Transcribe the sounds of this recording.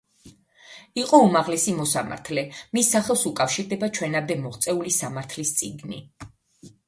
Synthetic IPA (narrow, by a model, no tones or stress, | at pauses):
iqʼɔumaʁlɛsimɔsama̰ɾt̪ʰlɛmisːaχɛlˠsukʼafʃiɾd̪ɛbat͡ʃʰwɛnamd̪ɛmɔʁt̪sʼɛulisamaɾt̪ʰlist̪sʼiɡnḭ